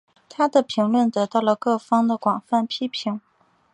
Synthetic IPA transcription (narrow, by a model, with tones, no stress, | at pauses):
t̪ʰa˥d̪ə˨pʰi˧˥ŋlwə˥˩nt̪ɤ˧˥t̪ɑ˥˩ʊlə˩kɤ˥˩fɑ˥ŋd̪ə˨kwɑ˨˩ŋfa˥˩npʰi˥pʰi˧˥ŋ